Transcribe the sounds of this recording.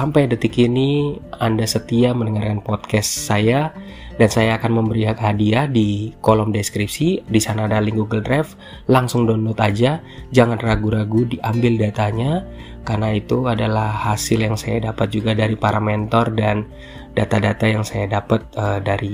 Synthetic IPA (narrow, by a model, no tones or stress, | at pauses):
sampajdət̪ikiniandasət̪iamənəŋarkanpɔt̪̚kɛssaja | dansajaːkanməmbəɾiɦak̪hadiahdikolɔmdeskɾip̚sidisanaːdaliŋɡuɡəldɾaf | laŋsʊŋdɔnɔt̪ad͡ʒa | d͡ʒaŋanraɡuɾaɡudiʔambɪldat̪aɲa | karnait̪uadalahhasɪljaŋsajadapət̪̚d͡ʒuɡadaɾipaɾamɛnt̪ɔrdan | d̥at̪adat̪ajaŋsajadapət̪̚ədaɾi